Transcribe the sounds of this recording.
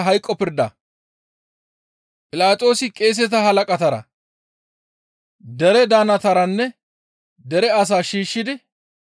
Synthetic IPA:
ɦɐjkʼːɔpɪɾd̪ɐ | pʼɪlaːt̪ʼo̞ːsɪkʼe̞ːs̬ɛt̪ɐɦɐlɐkʼɐt̪ɐɾɐ̰ | d̪ɛɾɛd̪aːnɐt̪ɐɾɐnːɛ | d̪ɛɾɛɐs̬aːʃiːʃːɪd̪ɪ

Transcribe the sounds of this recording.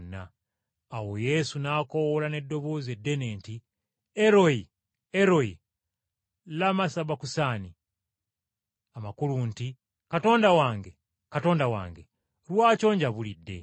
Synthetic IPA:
nːa̰ː | wo̞je̞sunaːko̞wolane̞dːo̞βo̞ːze̞dːe̞ne̞ːnti | eɾo̞i | eɾo̞i | lamasaβakusaːni | amakulunti | kato̞ːndawaːŋɡe̞ | kato̞ːndawa̰ːŋɡe̞ | lwaːt͡ʃo̞ːɲɟaβulidːe̞̰

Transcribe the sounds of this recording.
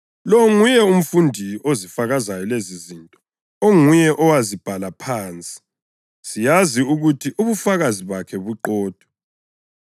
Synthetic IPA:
lɔŋujɛum̩fundʱiozifaɣazajɔlezizintʼɔ | oŋujɛʔɔwazib̥ʱalapʰaːnt͡sʼi̥ | sijaziuɣutʰiʔuβufaɣaziβakʰɛβuǃɔːd̥ʱɔ

